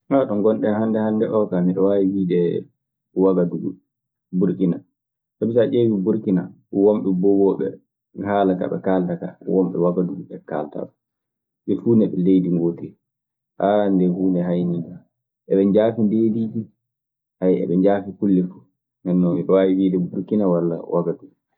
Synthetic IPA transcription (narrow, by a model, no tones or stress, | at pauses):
hatɔŋɡɔnɗɛhandɛhandɛʔɔkamiɗɔwawiwiːdɛ | waɡaduɡu | buɾkina | sɔbisaʔewibuɾkina̰ | womɓɛbɔwɔɓɛ̰ | halaka̰ɓɛ̰kaːltaka̰wɔmɓɛ̰waɡaduɡuɓɛka̰lta̰ɗɔ | ɓɛfuːnɛɓɛlejdiŋɡotɛ | ʔandɛhuːndɛɦajniɡa | ʔɛɓɛɲd͡ʒaːfindediːd͡ʒi | hajɛ̰ɓɛɲd͡ʒaːfikulːɛfu̥ | mɛnːɔmiɗɔwawiwiːdɛbuɾkinawalːa̰wʔaɡaduɡu